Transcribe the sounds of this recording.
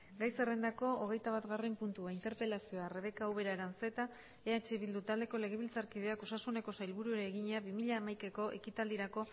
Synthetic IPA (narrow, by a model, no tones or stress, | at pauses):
ɡajse̞re̞nd̪ako̞oɣe̞jt̪aβat̪ɣarempunt̪uaint̪e̞ɾpe̞lasioare̞βe̞kaːwβ̞e̞ɾaɾanse̞t̪a | eat͡ʃeβild̪ut̪ald̪e̞ko̞le̞ɣ̞e̞βilt͡saɾkið̞e̞akosasune̞ko̞sajlβuɾue̞ɾeːɣiɲeaβimiʎaːmajke̞ko̞ʔe̞̰kit̪ald̪iɾako̞